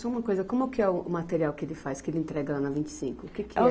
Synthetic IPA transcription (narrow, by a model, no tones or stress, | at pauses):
sɔ̃ũmɐkojzɐkõmʊkɪɛʊʊmat̪eɾiawkɪelɪfajskɪelɪẽnt̪ɾɛɡɐlanɐvĩnt͡ʃɪ̥sĩŋkʊːkekɪɛ